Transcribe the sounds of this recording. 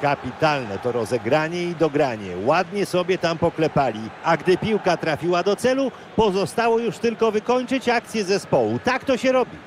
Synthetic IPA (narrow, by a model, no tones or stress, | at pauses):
kapʲit̪alnɛt̪ɔɾɔzɛɡɾaɲɛid̪ɔɡɾaɲɛwad̪ɲɛsɔbʲjɛt̪ampɔklɛpalʲiaɡd̪ɘpʲiwkat̪ɾafʲiwad̪ɔt̪sɛlu | pɔzɔst̪awɔjuʂt̪ɘlkɔvɘkɔɲt͡ʂɘt͡ɕak̚t̪sʲjɛzɛspɔwut̪akt̪ɔɕɛɾɔbʲi